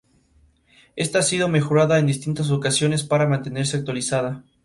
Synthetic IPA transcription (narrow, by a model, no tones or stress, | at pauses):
e̞st̪aasið̞o̞me̞xo̞ɾaðaend̪ist̪int̪as̬okasjo̞ne̞spaɾamãnt̪e̞ne̞ɾs̬eak̚t̪walisaða